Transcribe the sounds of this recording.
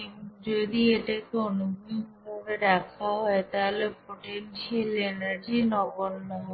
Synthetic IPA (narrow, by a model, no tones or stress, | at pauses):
id͡ʒod̪ieʈakoonuɡʱupoɾeɾakʰaɦɔet̪aɦolepoʈenʃelenaɾd͡ʑinɔbonːoɦ